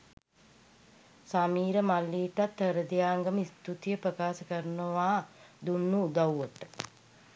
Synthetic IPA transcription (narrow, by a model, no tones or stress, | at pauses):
samiːɾəmalːiːt̪at̪ːəɾəd̪ijaːŋɡəməist̪ut̪ijəpɾəkaːsəkəɾnəʋaːd̪unːuːd̪awːot̪ə̥